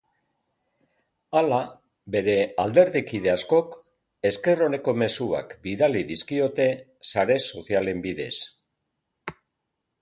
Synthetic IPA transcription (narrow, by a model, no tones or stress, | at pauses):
ala | be̞ɾe̞ald̪e̞ɾðikið̞e̞asko̞k | e̞ske̞ro̞ne̞ko̞me̞sua̰kbiðaliðiskio̞t̪e̞ | saɾe̞so̞θiale̞mbiðe̞s